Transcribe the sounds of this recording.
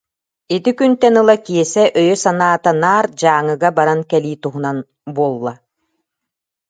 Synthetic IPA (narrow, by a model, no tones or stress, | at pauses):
it̪ikynt̪ɛnɯlˠakiɛsɛʔœjœsanaːt̪anaːɾd͡ʑaːŋɯɡabaɾankɛliːt̪uɦunan | buɔlˠːa